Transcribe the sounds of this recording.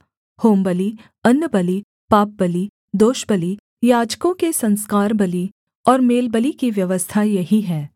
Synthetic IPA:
hoːmbəli | ɐnːəbəli | paːp̚bəli | d̪oːʃbəli | jaːd͡ʒkõkesɐ̃nskaːɾbəli | ɔːɾmeːlbəlikiʋjɐʋəst̪ʰajɐɦiɦɛː

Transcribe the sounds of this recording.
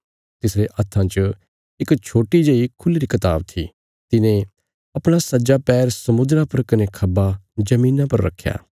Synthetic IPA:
t̪ɪsɾeʔɐt̪ʰːãt͡ʃə | ɪkt͡ʃʰoːʈid͡ʒeːikʰʊlɾikɐt̪a̰ːb̚t̪ʰḭ | t̪ɪnẽ | ɐpɽ̃asɐd͡ʒapɛːɾsɐmʊd̪ɾapɐɾkɐnekʰɐbad͡ʒɐmiːnãpɐɾːɐ̰kʰːja̰ː

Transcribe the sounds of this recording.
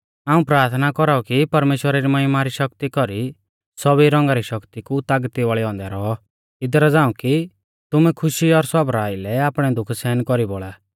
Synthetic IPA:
aːũpɾaːɾt̪ʰnakɔɾaɔkipɐɾmeːʃwəɾaɾimɐɦɪmaɾiʃɐkt̪ikɔɾi | sɔbiɾɔ̃ŋɡaɾiʃɔkt̪ikut̪aɡt̪iʋaːɭɛɔ̃ːnd̪ɛɾɔɔ | ɪd̪ɾad͡zãːũki | t̪ʊmɛkʰʊʃiɔɾsɔbɾaːilɛaːpɽ̃ɛd̪ʊkʰsɛːnkɔɾiboːɭaː

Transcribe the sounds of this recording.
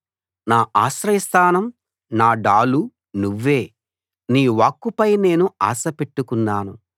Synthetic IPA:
naːʔaːsɾɐjst̪ʰaːnɐm | naːɖaːlu | nuʋːe̞ː | niːʋaːkːupɐjne̞ːnua̰ːsɐpe̞ʈːukunːaːnṵ

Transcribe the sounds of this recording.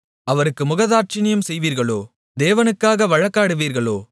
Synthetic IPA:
ɐʋɐɾɯkːɯmʊɣɐðaːɾt͡ʃɪnɪjɐmsɛjʋiːɾɣɐɭo̰ː | d̪eːʋɐnɯkːaːɣɐʋɐɻɐkːaːɽɯʋiːɾɣɐɭoː

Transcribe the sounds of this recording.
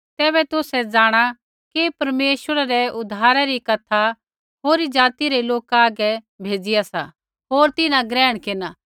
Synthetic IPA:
t̪ɛːbɛt̪ʊsɛd͡zaːɽ̃a | kipɐɾmeːʃʋəɾaɾɛʊd̪ʱaːɾaɾikɐt̪ʰa | ɦoːɾid͡ʒaːt̪iɾeloːkaːɡɛ | bʱeːd͡ʒɪjasa̰ | ɦoːɾt̪ɪnãɡɾɛːɽ̃kɪnaː

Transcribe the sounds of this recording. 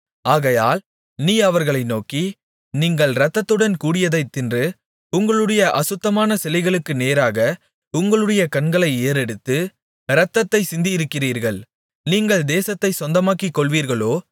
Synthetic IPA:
aːɣɐjaːl | niːɐʋɐɾɣɐɭɐɪnoːki | niːŋɡɐɭɾɐt̪ːɐt̪ːɯɽɐnkuːɽɪjɐðɐɪt̪ːɪndrɯ | ʊŋɡɐɭɯɽɐjɐʔɐsɯt̪ːɐmaːnɐsɛlɐɪɣɐɭɯkːɯneːɾaːɣɐ | ʊŋɡɐɭɯɽɐjɐkɐɳɡɐɭɐɪeːɾɛɽɯt̪ːɯ | ɾɐt̪ːɐt̪ːɐɪsɪnd̪ɪɪɾɯkːɪriːɾɣɐɭ | niːŋɡɐɭd̪eːsɐt̪ːɐɪsɔnd̪ɐmaːkikːɔɭʋiːɾɣɐɭoː

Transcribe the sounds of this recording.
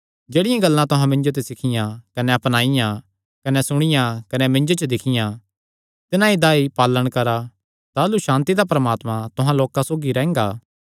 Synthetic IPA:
d͡ʒeːɽɪjãɡɐlːãt̪ʊɦãmɪ̃nd͡ʒot̪̬esɪkʰɪjãkɐnɛɐpñaːɪjã | kɐnɛsʊɽ̃ɪjãkɐnɛmɪ̃nd͡ʒot͡ʃəd̪ɪkʰɪjã | t̪ɪnãid̪aːipaːlːəɽ̃kɐɾa | t̪aːluʃãːnt̪id̪apɾɐmaːt̪mãt̪ʊɦãloːkãsoːɡiɾɛ̃ːŋɡaː

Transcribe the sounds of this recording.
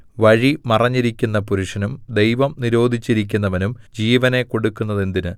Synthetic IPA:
ʋɐɻimɐrɐɲːiɾikʲːunːɐpuɾuʂɐnumd̪e̞jʋɐmniɾo̞ːd̪ʱit͡ɕːiɾik̬ʲːunːɐʋɐnumd͡ʑiːʋɐne̞ko̞ɽukːunːɐðend̪inɨ

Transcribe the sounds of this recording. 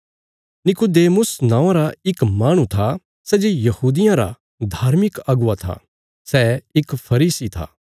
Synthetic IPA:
nɪkʊd̪eːmʊsnãːãɾaɪkmaːɽ̃ũt̪ʰa | sɛd͡ʒejɐhuːd̪ɪjãɾa̰ | d̪ʱaːɾmɪkɐɡʊat̪ʰa̰ | sɛɪkpʰɐɾiːsit̪ʰa̰ː

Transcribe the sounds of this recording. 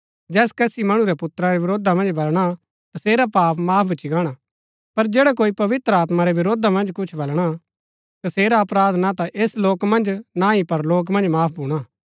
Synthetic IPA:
d͡ʒɛːskɛːsimɐɽ̃uɾɛpʊt̪ɾaɾeʋɪɾoːd̪amɐ̃nd͡ʒbɐlɽ̃a | t̪ɐseːɾapaːpmaːbɪt͡ʃʰiɡaːɽ̃a | pɐɾd͡ʒeːɽak̬oːipɐʋɪt̪ɾəaːt̪maɾɛʋɪɾoːd̪ʱamɐ̃nd͡ʒkʊt͡ʃʰbɐlɽ̃a | t̪ɐseːɾaɐpɾaːd̪nat̪aʔeːsloːkmɐ̃nd͡ʒnãipɐɾloːk̬mɐ̃nd͡ʒmaːpʰbʱuːɽ̃aː

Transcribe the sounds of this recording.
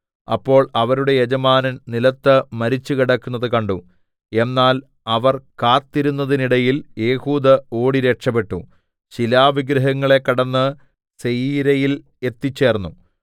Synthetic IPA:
ɐ̰pːo̞ːɭɐʋɐɾuɽe̞jed͡ʑɐmaːnɐnnilɐt̪ːɐmɐɾit͡ɕːukiɽɐkːunːɐðɨkɐɳɖu | e̞nːaːl | ɐʋɐrkaːt̪ːiɾunːɐðiniɽɐjilje̞ːhuːd̪ɐo̞ːɽiɾe̞kʂɐpe̞ʈːu | t͡ɕilaːʋiɡɾɐɦɐŋːɐɭekːɐɽɐnːɨ | sejiːɾɐjil | e̞t̪ːit͡ɕːe̞ːrnːu

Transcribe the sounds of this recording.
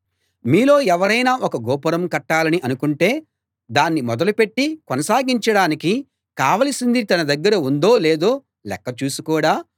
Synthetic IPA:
miːlo̞ːɛʋɐɾɐjnaːʔɔkɐɡɔːpɐɾɐmkɐʈːaːlɐniʔɐnukuɳʈe̞ː | d̪aːnːimɔd̪ɐlupe̞ʈːikɔnɐsaːɡiɲt͡ʃɐɽaːniki | kaːʋɐlɐsind̪it̪ɐnɐd̪ɐɡːɐɾɐund̪o̞ːle̞ːd̪o̞ː | lɛkːɐt͡ʃuːsukuːɽaː

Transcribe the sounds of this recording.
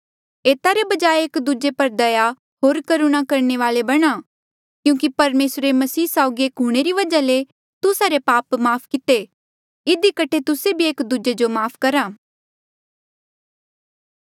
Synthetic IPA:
eːt̪aɾebɐd͡ʒaːeeːkd̪ud͡ʒepɐɾd̪ɐja | ɦoːɾkɐɾuɽ̃akɐɾneʋaːlebɐɽ̃a | kjũːk̬ipɐɾmeːsɾemɐsiːsaːʊɡieːkɦʊɽ̃eɾiʋɐd͡ʒale | t̪ʊsaɾepaːpmaːpʰkɪt̪e | ɪd̪ikɐʈʰet̪ʊsebʱieːkd̪ud͡ʒed͡ʒomaːpʰkɐɾaː

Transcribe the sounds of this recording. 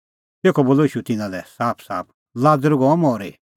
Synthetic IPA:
t̪eːkʰɔboːlɔiːʃut̪ɪnãlɛsaːpʰsaːp̚ʰ | laːd͡zəɾɡɔmɔːɾe

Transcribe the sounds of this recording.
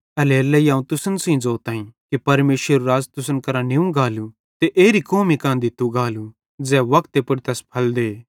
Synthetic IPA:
ɐleɐlːɛiãːũt̪ʊsənsĩd͡zoːt̪aːĩkipɐɾmeːʃəɾuɾaːzt̪ʊsənkɐɾanɪũɡaːlu | t̪eʔeːɾikoːmĩkãːnd̪it̪uɡaːlu | d͡zɛːʋɐkt̪epʊɽt̪ɐspʰɐld̪eː

